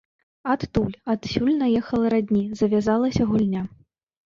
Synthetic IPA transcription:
at̪ːulʲat̪sʲulʲnɐjɛxɐlˠɐɾad̪ʲnʲizɐvʲazalˠɐsʲɐɣulʲnʲa

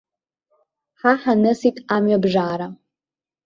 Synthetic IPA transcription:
ħaħanɨsitʼamɥabʐaːɾa

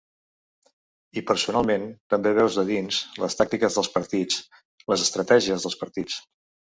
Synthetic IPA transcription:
ipəɾsunalˠment̪əmbeβɛwzðəðinzləst̪ak̚t̪ikəzðəlˠspəɾt̪it͡s | ləzəst̪ɾət̪ɛʒiəzðəlˠspəɾt̪it͡s

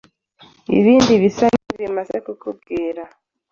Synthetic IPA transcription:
ḭβiːndiβisaniβimaze̞kukʰub̚ɡiːɾa

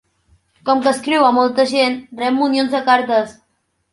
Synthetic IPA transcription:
kɔmkəskɾiwamɔlˠt̪əʒenrɛmːunionzðəkaɾt̪əs

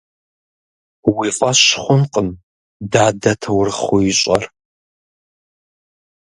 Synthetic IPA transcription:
wiːfʼɐɕχʷʊnqʼəm | daːdɐtʰɐwrɨχʊjɪɕʼɐr

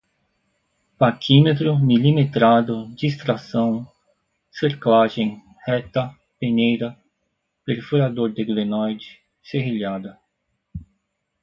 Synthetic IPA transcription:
pakʰimet̪ɾʊmilimet̪ɾad̪ʊd͡ʒist̪ɾasɐ̃w̃ | seɾklaʒẽj̃ | hɛt̪ɐ | peɲejɾɐ | peɾfuɾad̪oɾd̪ɪɡlenɔjd͡ʒɪ | seɦiʎad̪ɐ

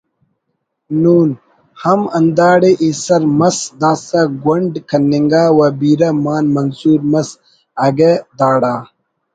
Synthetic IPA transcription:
nuːn | hɐmɐnd̪aːɽeʔisɐɾmɐsd̪aːsɐɡɐɳɖkʰɐnːiŋɡaːwɐbiːɾɐmaːnmɐnsuːɾmɐs | ɐɡed̪aːɽaː

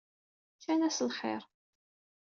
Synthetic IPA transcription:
çænæslχɪ̰ɾˤ

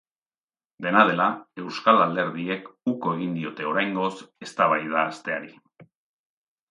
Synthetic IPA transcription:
d̪e̞nað̞e̞lae̞wskalald̪e̞ɾðie̞kuko̞e̞ɣ̞ind̪io̞t̪e̞o̞ɾajŋɡo̞se̞st̪aβ̞ajð̞aːst̪e̞aɾi

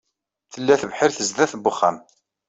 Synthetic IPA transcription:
θəlːæθəvħɪɾθəzðæθbʊχːæ̰m

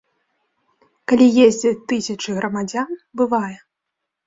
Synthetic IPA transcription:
kalʲijezʲd͡zʲɛt̪ɨsʲɐt͡ʂɨɣɾɐmad͡zʲanbɨvajɛ

